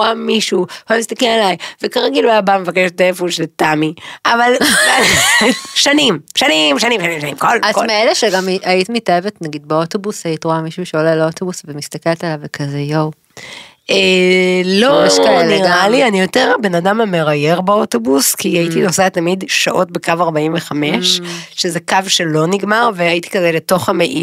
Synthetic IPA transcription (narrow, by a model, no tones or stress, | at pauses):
oamiʃuamist̪ɐkelalajvekaʁeɡilaabamevakeʃtefuʃletamiʔavala | ʃanimʃanimʃanĩmʃanĩmʃanimkolazmeeleʃeɡamʔait̪imitaevetnaɡid̪̚beoto̞busaitʁoamiʃuʃeolelo̞t̪o̞busvemist̪akelet̪alavekʰazejow | elojeʃkaleʁɡalianijo̞teʁabe̞nadamameʁaje̞ʁbao̞to̞buskiaitinosatamidʃaʔo̞t̚bekavaʁbaimveχameʃʃezekavʃelo̞niɡmaʁveait̪i̥kazeleto̞χameʔi